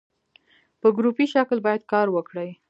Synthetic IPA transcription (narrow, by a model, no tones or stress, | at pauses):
pəɡɾupiʃaklbɑjad̪̚kɑɾwəkɽəj